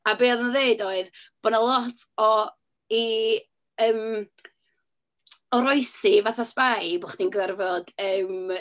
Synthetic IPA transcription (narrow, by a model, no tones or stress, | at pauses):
abeːðənðeɨdoɨðb̥ɔnəlˠɔtʰɔ | i | əːm | ɔɾɔɨsivaθaspajbʊχd̥inɡərvɔd̥əːm